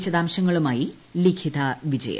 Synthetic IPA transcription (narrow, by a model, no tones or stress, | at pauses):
t͡ɕːɐðaːmɕɐŋːɐɭumaːji | likʰit̪ɐʋid͡ʑɐ̰jɐ̰